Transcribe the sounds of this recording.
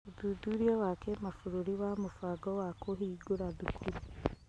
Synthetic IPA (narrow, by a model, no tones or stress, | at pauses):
oðuduɾiɔwakemafuɾuɾiwamofaːɡɔwakʰoɦiːɡoɾaðukine